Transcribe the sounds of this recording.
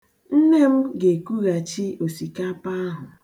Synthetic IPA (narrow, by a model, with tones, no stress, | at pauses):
n̩˦ne˦m̩˦ɡe˨ku˦ɣa˨t͡ʃi˦o˨si˨ka˦pa˦a˦ɦʊ˨